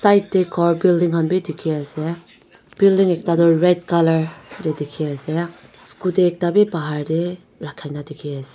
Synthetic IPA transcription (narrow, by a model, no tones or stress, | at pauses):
sajt̚dekʰɔɹbildiŋɦʰanbidikʰiase | b̥ildiŋek̚tadɔɹɛdkalɐɹdedikʰiase | skudeːk̚tabibaɦaɾde | ɾakʰːajnadikʰiase̥